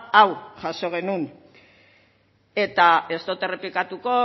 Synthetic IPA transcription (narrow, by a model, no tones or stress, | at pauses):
awʝaso̞ɣ̞e̞nun | e̞t̪ae̞st̪ot̪e̞re̞plikat̪uko̞